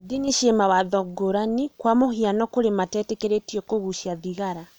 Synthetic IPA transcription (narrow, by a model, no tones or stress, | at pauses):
diniʃiɛmawaðɔɡoɾanikwamohianɔkoɾematɛtekeɾetiɔkoɣuʃjaðiɣaɾa